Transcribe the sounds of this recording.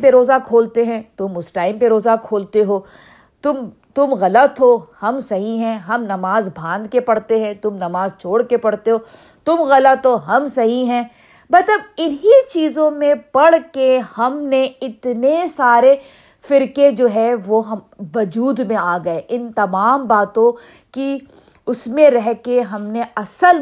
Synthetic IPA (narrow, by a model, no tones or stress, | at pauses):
peɾoːzakʰoːlt̪eɦɛ̃t̪ʊmʊsʈaːɪmpeɾoːzakʰoːlt̪eɦoː | t̪ʊmt̪ʊmɣɐlət̪ɦoːhɐmsɐɦiɦɛ̃ɦɐmnɐmaːzbʱãːnd̪kepɐɽt̪eɦɛ̃t̪ʊmnɐmaːzt͡ʃʰoːɽkepɐɽt̪eɦoː | t̪ʊmɣɐlət̪ɦoɦɐmsɐɦiɦɛ̃ː | bɐt̪ləbɪnɦit͡ʃiːzõmẽpɐɽ̤kehɐmneɪt̪nesaːɾe | fɪɾked͡ʒoːɦɛʋoɦɐ | ʋɐd͡ʒuːd̪mẽaːɡɐeʔɪnt̪ɐmaːmbaːt̪õ | ki | ʊsmẽɾɛɦkeɦɐmneɐsəl